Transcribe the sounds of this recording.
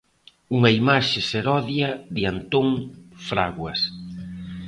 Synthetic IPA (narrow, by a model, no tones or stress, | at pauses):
uŋɐimaʃɪseɾɔðjɐðɪant̪oŋfɾa̰ɣwɐs